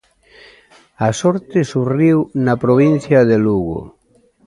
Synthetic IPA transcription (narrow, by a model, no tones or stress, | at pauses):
asɔɾt̪esuriwnapɾoβ̞inθjaðeluɣo̰